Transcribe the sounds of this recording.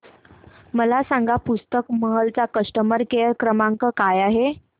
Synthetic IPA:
məlasaŋɡapust̪əkməɦəlt͡sakəʂʈəməɾkeəɾkɾəmaŋkəkajaɦe

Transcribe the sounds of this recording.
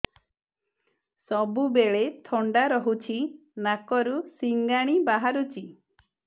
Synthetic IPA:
sɔbubeɭet̪ʰɔɳɖaɾɔɦut͡ʃʰi | nakɔɾusiŋɡaɽ̃ibaɦaɾut͡ʃʰi

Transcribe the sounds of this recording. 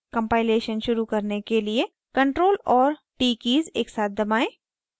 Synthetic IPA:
kɐ̃mpaːɪleːʃənʃʊɾukɐɾnekelie | kɐ̃ɳʈɾoːlɔːɾ | ʈiːkiːzeːksaːt̪̚ʰd̪ɐmaːẽː

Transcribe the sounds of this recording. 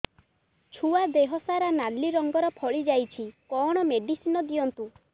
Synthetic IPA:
t͡ʃʰuad̪eɦɔsaɾanallːiɾɔŋɡɔɾɔpʰɔɭid͡ʒajt͡ʃʰikɔɽ̃ɔmeɖisinɔd̪iɔnt̪u

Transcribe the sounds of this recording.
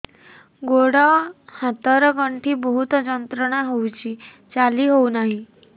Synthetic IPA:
ɡoɽahat̪əɾɡəɳʈʰiːbəɦut̪d͡ʑənt̪ɾəɳaɦowt͡ɕiː | t͡saliːɦownaɦi

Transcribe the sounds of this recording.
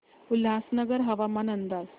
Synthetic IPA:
ulɦasnəɡəɾɦəʋamanənd̪ad͡z

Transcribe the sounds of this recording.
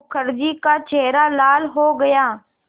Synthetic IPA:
kʰəɾd͡ʒikat͡ʃeːɾaːlaːlɦoːɡəjaː

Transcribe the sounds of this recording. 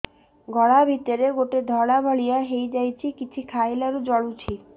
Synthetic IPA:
ɡʱɔɽabʱit̪oɾeɡoʈed̪ʱɔɽabʱɔɭijaɦejd͡ʑajt͡ɕʰikit͡ɕʰikʰajlaɾud͡ʑɔɽut͡ɕʰi

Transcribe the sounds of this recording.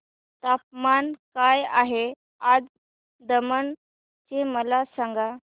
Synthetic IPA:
t̪ap̚mankajaɦe | ad͡z | d̪əmən | t͡ɕeməlasãŋɡa

